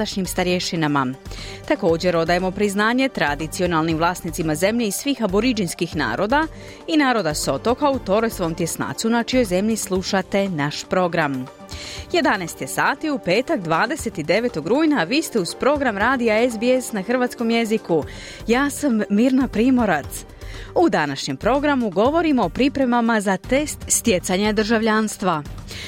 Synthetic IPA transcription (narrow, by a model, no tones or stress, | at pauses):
d̪aʃɲimst̪aɾjeʃinama | t̪ako̞ːd͡ʑe̞ɾo̞d̪ajemo̞pɾiznaːɲe̞t̪ɾad̪it̪sio̞nalˠnimʋlˠaːsnit̪simaze̞mʎeisʋiːxaboɾid͡ʒinskixna̰ːɾo̞ːd̪a | inaːɾo̞d̪aso̞t̪o̞kaut̪o̞ɾojsomt̪je̞sna̰ːt̪sunat͡ʃijo̞jze̞mʎislˠuʃat̪e̞naʃpɾo̞ɡɾam | je̞d̪anɛːst̪jesaːt̪iupe̞ːt̪aɡd̪ʋaːd̪e̞se̞t̪id̪e̞ʋe̞ːt̪o̞ɡɾuːjnaʋiːst̪e̞uz̥pɾo̞ɡɾamɾaːd̪ijaezbiesnaxr̩ʋat̪sko̞mje̞ziku | jaːsamːiːɾnapɾiːmo̞ɾat̪s | ud̪anaʃɲe̞mpɾo̞ɡɾamuɡo̞ʋo̞ɾimo̞ːpɾipɾe̞mamazat̪e̞st̪st̪je̞t̪saɲad̪r̩ʒaʋʎaːnst̪ʋa